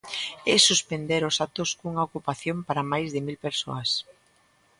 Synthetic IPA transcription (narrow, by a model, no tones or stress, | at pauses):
ɛsuspend̪eɾʊsat̪oskuŋaokupaθjompaɾamajzðemilpeɾso̰as